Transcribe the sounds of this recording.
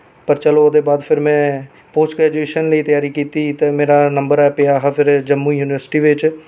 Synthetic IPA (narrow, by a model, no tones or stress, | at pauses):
pəɾt͡ʃəloːd̪eːbaːd̪pʰɪɾmɛ̃ː | poːsʈɡɾɛːd͡ʒueːʃənləiːt̪əjaːɾiːkiːt̪iːt̪eːmeːɾaːnəmbəɾɛːpɪjaːɦpʰɪɾd͡ʒəmːuijuːnɪʋəɾsɪ̥ʈiːʋɪt͡ʃ